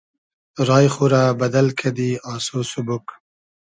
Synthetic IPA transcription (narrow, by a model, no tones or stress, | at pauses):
ɾɑːjχuɾabad̪alkʰad̪iɑsosʊbʊk